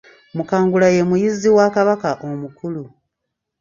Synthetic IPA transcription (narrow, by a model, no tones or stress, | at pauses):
mukaːŋɡulaje̞mujizːiwaːkaβakaʔomukulu